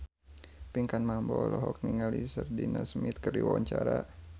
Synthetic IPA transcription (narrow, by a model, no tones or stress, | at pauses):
piŋkanmambɔlɔɦɔk̚niŋalisərdinasmit̪̚kərdiwawaɲt͡ʃaɾa